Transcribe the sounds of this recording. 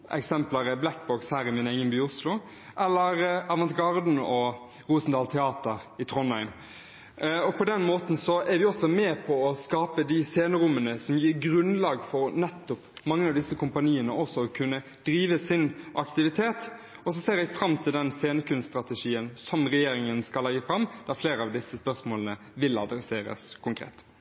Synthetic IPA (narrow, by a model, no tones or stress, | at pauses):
ʔɛ̰ksɛmpləɾəblæk̚bɔkshæːɾɪmɪneːɡənbyːʊslʊ | ʔɛlːəɾɑːʋɑnt̪ɡɑʁd̪n̩ɔ | ʁuːsn̩d̪ɑːlt̪ʰɛɑːt̪əɾɪt̪ʰɾɔnhæɪm | ɔpʰɔd̪ɛnmoːt̪n̩sɔæɾʋɪɔsːɔmɛpʰɔɔskɑːpəd̪ɪseːnəɾʊmːənəsɔmjiːɾɡɾʉnlɑːɡfɔɾnɛt̪ːʊpmɑŋːəɑʋd̪ɪsːəkʰʊmpɑniːənəʔɔsːɔɔkʰʉnːə | d̪̥ɾiːʋəsɪnʔɑkt̪ɪʋɪt̪ʰeːt̪ | ɔs̬ɔseːɾɛɡfɾɑmːt̪ʰɪld̪ɛnseːnəkʉnst̪ɾɑt̪ɛʂiːənsɔmɾɛjeːɾɪŋənskɑlːɛɡːəfɾɑmːd̪̥æɾfleːɾəɑʋd̪ɪsːəspœʁsmoːlənə | ʋɪlɑ̰d̪ɾɛseːɾə̰skʰʊŋkʰɾḛːt̪